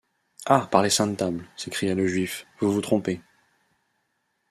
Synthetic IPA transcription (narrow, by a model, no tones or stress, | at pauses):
apaʁlesɛ̃t̪ablsekχijaləʒɥifvuvut̪χɔ̃pe